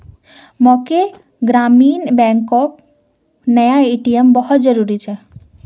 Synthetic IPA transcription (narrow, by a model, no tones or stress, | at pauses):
moke | ɡɾaminbɛŋkɔk̚ | nəjaiʈijəmbɔɦɔt̪̚d͡ʒɔɾuɾit͡ʃʰɛ